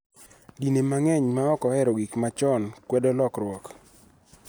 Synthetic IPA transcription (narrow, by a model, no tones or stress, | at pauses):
dinemaŋɛɲmaɔkɔɛɾoɡikmat͡ʃɔnkwɛdolɔkrwɔk